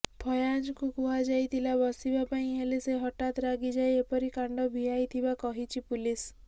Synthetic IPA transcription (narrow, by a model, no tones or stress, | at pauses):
pʰɔjad͡ʒɔkukuɦad͡ʒajt̪ʰilabɔsibapaĩɦeleseɦɔʈat̪ɾaɡid͡ʒaejepɔɾikaɳɖɔbʱiɦajt̪ʰibakɔɦit͡ʃʰipulis